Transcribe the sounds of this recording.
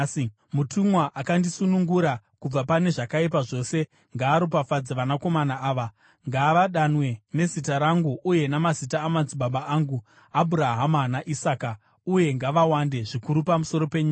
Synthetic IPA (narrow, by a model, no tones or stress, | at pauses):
i | mutʰumwaʔakandisunuŋɡuɾakub͡vapane̞ʐakaip̬aʐo̞ːse̞ | ŋɡaːɾop̬afad͡zeʋanako̞manaaːʋa | ŋɡaʋaɗanwe̞ne̞zitaɾaŋɡuʔːje̞namazitaːmanziɓaɓaaŋɡu | abʱuɾaɦamanaʔisaːka | uje̞ŋɡaʋawande̞ʐikuɾupamuso̞ɾo̞pe̞ɲiːa